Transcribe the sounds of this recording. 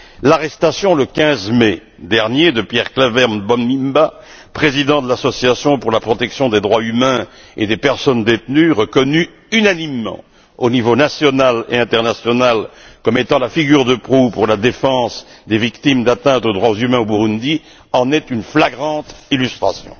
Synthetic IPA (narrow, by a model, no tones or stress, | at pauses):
laʁɛst̪asjɔ̃ləkʲɛ̃zmɛ | d̪ɛʁnjed̪əpjɛʁklavɛʁmbɔnːimba | pχezid̪ɑ̃d̪əlasɔsjasjɔ̃puʁlapχɔt̪ɛksjɔ̃d̪ed̪ʁwaymɛ̃ | ḛd̪epɛʁsɔnd̪et̪nyʁəkɔny | ynanimːɑ̰̃ | onivonasjɔnalḛɛ̃t̪ɛʁnasjɔnalkɔmet̪ɑ̃lafiɡʲyʁd̪əpχupuʁlad̪efɑ̃sd̪evikt̪imd̪at̪ɛ̃t̪od̪ʁwazymɛ̃obuʁund̪i | ɑ̃nɛt̪ynflaɡʁɑ̃t̪ilyst̪χasjɔ̰̃